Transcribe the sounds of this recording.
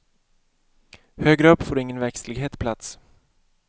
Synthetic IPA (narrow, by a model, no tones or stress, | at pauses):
høːɡɾəœpːfoːɾɪŋːənvæɾkslɪɡɦeːt̪pʰlat̪s